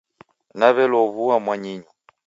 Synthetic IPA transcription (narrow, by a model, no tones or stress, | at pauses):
naβɛlɔβuamwaɲiɲɔ